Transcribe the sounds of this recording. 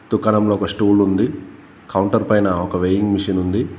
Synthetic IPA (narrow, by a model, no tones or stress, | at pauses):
t̪ukːɐɳɐmlo̞ːkɐsʈuːlund̪i | kɐwuɳʈɐɾpɐjnɐɔkɐʋeːjiŋɡmiʂɐnund̪i